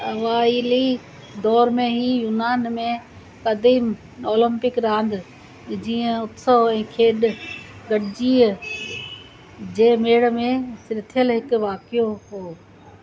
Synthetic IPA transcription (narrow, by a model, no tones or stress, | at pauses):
ɐʋaːiːli | d̪ɔːɾmẽɦijuːnaːnmẽ | kad̪iːm | oːlə̃mpɪkɾãːnd̪ | d͡ʑiːə̃ʊt̪səɛ̃ːkʰeːɗɡɐɗɪd͡ʑiː | d͡ʑeːmeːɽ̆mẽsɪɾɪt̪ʰijəlɦɪkʋaːkijoɦoː